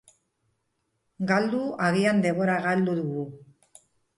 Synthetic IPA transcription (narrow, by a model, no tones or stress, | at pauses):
ɡald̪uaɣiand̪e̞mβo̞ɾaɣald̪uðuɣu